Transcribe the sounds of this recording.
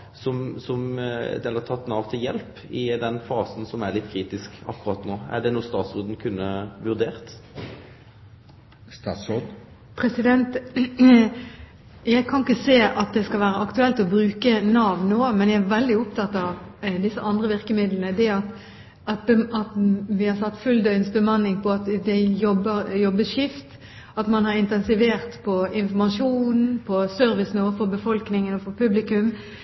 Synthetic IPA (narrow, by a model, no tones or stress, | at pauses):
sɔmsɔmd̪ɛləʁt̪ʰɑt̪ːnɑːʋt̪ʰɪljɛlp | ɪd̪ɛnfɑːsn̩sɔmæɭɪt̪ːkʰɾiːt̪ɪskɑ̰kːʊʁɑt̪noːæ̰ɖɛnuːst̪ɑːt̪sʊd̪n̩kʰʉnːəʋʉʁd̪eːʁt̪ | st̪ɑːsɔ | pʰɾɛsɪd̪ɛnt̪ | jæɪkʰɑnɪkːəseːʔɑt̪̚d̪ɛskɑlʋæːɾəʔɑkt̪ʉɛlt̪ɔbɾʉːkənɑːʋnːoːmɛnjæɪæɾʋɛld̪ɪʊpt̪ʰɑt̪ːɑʋd̪ɪsːəʔɑnd̪ʁəʋɪɾkəmɪd̪lənəd̪ɛɑt̪ | ɑt̪̚bɛɑt̪ʋɪhɑɾsɑt̪ːfʉld̪œʏnsbəmɑnːɪŋpʰɔɑt̪d̪ɛjɔbːəɾjɔbːəʂɪft̪ | ɑt̪mɑnhɑɾɪnt̪ɛnsɪʋeːɾt̪pʰɔɪnfɔmɑʂuːn̩pʰɔsœɾʋɪsn̩oːfɔɾbəfɔlknɪŋənɔfɔɾpʰʉblɪkʉm